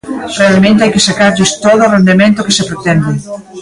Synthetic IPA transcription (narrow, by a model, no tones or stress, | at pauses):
realmẽnt̪eajkesakaɾʎist̪oðorend̪emẽnt̪okesepɾet̪ɛnd̪e